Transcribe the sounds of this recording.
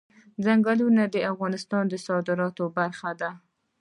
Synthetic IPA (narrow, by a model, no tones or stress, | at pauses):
d͡zaŋɡalunad̪əafɣɑnɪst̪ɑnd̪əsɑd̪ɪɾɑt̪obaɾxad̪a